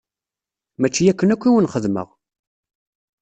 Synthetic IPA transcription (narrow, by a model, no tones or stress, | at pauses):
mæt͡ʃːijækːənækʷːiwənχəðmə̰ʁ